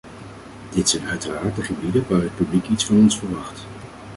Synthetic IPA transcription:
d̥ɪtsɛjnœɥtəraːɹtəχəbidənʋaːrət̚pyblikitsfɑnɔnsfəɹʋɑχt

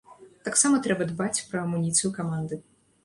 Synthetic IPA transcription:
t̪aksamɐt̪ɾɛbɐd̪bat͡sʲpɾɐmunʲit̪sɨjukamand̪ɨ

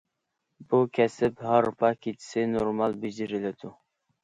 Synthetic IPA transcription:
bukʲʰɛsɪphɑɾpʰɑkʲʰet͡ʃ̪ʰɪ̥sɪnoɾmɑlˠbɪd͡ʒɪɾɪlɪt̪u

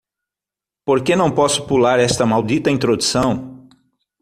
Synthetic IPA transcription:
poɾkenɐ̃w̃pɔsʊ̥pulaɾɛst̪ɐmawd̪it̪ɐĩnt̪ɾod̪usɐ̃w̃

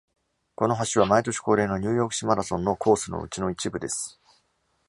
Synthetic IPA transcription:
ko̞no̞ɦaɕiβ̞amait̪o̞ɕi̥ko̞ːɾe̞ːno̞ɲ̟ʲɯ̟ːjo̞ːkɯ̥ɕimaɾasõ̞nːo̞kʰo̞ːsɨno̞̰ɯ̟t͡ɕino̞it͡ɕibɯ̟d̪e̞sɨ̥

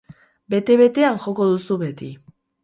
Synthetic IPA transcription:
be̞t̪e̞βe̞t̪e̞aŋxo̞ko̞ðusuβet̪i

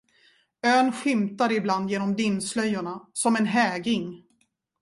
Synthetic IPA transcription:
øːnɧɪmt̪aɾɪbland̪jeːnɔmd̪ɪnːslœjːʊɳasɔmɛnɦɛːɡɪŋ

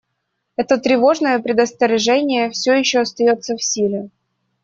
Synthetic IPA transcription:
ɛt̪ət̪ɾʲɪvo̞ʐnəjəpɾʲɪd̪əst̪əɾʲɪʐɛnʲɪjəfsʲɵjɪɕːoɐst̪ɐjo̞t̪səfsʲilʲɪ

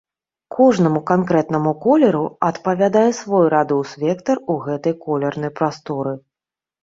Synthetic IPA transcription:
kʰɔʐnɐmukankɾɛt̪n̪ɐmukɔlʲɐɾuɐt̪pɐvʲad̪ajɛsvɔjɾad̪ɔwsvʲɛkt̪ɐruɣɛt̪ɐjkɔlʲɛrnɐjpɾast̪ɔɾɨ

